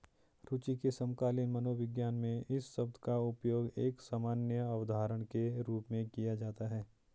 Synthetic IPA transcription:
ɾʊt͡ʃikesɐ̃mkaːlɪnmɐnoːʋɪɡjaːnmẽɪsːɐb̚d̪ʱkaʊpjoːɡeːksaːmaːnjəɐʋəd̪ʱaːɾəɽ̃keɾuːpmẽkijad͡ʒaːt̪aɦɛː

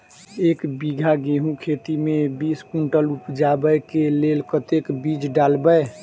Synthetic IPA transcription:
eːkbiɡʱaɡeɦũkʰet̪imebiskuɳʈəlupd͡ʒabəjkelelkət̪ekbid͡ʒɖalbəj

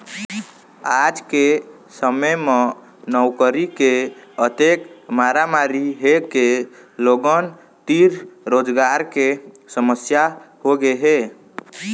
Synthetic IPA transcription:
ad͡ʒke | səməme | nəwkəɾikeət̪ekmaɾamaɾiɦekeloɡən | t̪iɾɾod͡ʒɡaɾke | səməsjahoɡeɦe

